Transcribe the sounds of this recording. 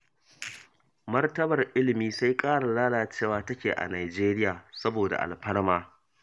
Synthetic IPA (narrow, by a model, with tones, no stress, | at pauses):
mɐ˦rtɐ˦bɐ˨rʔɪ˦lɪ˨miː˦sa˦jkʼaː˦ɽa˨laː˦laː˨t͡ʃeː˦˨waː˨˦tɐ˦kʲeː˨ʔa̰˨naː˨d͡ʒeː˦ɾɪ˦jaː˨sɐ˦boː˨da̰˨ʔa̰˨lɸɐ˦ɽmaː˦